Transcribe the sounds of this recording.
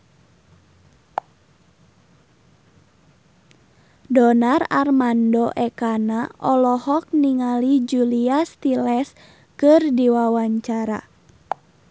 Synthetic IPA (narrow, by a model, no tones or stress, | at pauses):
dɔnararmandɔʔɛkanaʔɔlɔhɔk̚niŋalid͡ʒuliast̪ilɛs | kɨrdiwawaɲt͡ʃaɾa̰